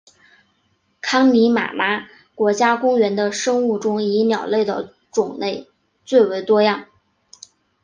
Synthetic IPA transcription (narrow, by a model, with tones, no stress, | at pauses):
kʰɑ˥ŋni˧˥ma̰˨˩ma˥ | kwɔ˧˥t͡ɕja˥kʊ˥ŋɥɛ˧˥nd̪ə˧ʂɤ˥ŋu˥˩ʈ͡ʂʊ˥ŋi˧˥njɑ˨˩ʊle˥˩ɪd̪ə̰˩ | ʈ͡ʂʊ˨˩ŋne˥˩˧ɪ | t͡swe˥˩ɪwe˧˥ɪt̪wɔ˥jɑ˥˩ŋ